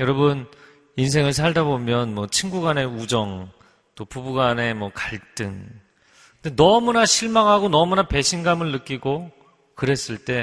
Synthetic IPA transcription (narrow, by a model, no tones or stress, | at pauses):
jʌɾʌbɯn | ins̬ʰe̞ŋɯɭs̬ʰaɭdabomjʌnmwʌt͡ɕʰinɡuɡane̞ud͡ʑʌŋ | t͈opubuɡane̞mwʌkaɭt͈ɯŋ | kɯndenʌmunaɕʰiɭmaŋɦaɡonʌmunape̞ɕʰinɡamɯɭːɯk͈iɡo | kɯɾe̞s͈ɯɭt͈e̞